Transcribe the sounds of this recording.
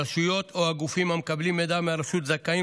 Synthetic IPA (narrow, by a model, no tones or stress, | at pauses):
ʃujot̪oaɡufimamkablimːed̪ameaɾʃut̪zakːai